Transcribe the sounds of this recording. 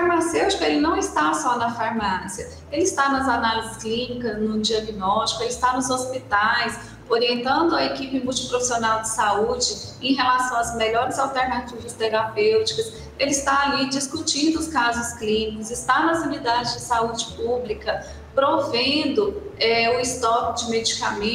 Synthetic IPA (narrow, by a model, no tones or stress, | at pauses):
faɾmasewt͡ʃi̥kɐelɪnɐ̃w̃ɪst̪asɔnɐfaɾmasiɐ | elɪɪst̪anɐzanalizɪsklĩnikɐznʊd͡ʒiaɡinɔʃt͡ʃi̥kʊelɪst̪anʊzospit̪ajs | oɾiẽnt̪ɐ̃nd̪ʊɐekipɪmuwt͡ʃɪ̥pɾofisionawd͡ʒɪsaud͡ʒɪ | ẽj̃ɦelasɐ̃w̃ɐzmeʎɔɾɪzawt̪eɾnat͡ʃivɐst̪eɾapewt͡ʃi̥kɐs | elɪst̪aalid͡ʒiskut͡ʃĩnd̪ʊʊskazʊsklĩnikʊzɪst̪anɐzunid̪ad͡ʒɪzd͡ʒɪsaud͡ʒɪpublikɐ | pɾomovẽd̪ʊɛʊɪst̪ɔkd͡ʒɪmed͡ʒikamẽ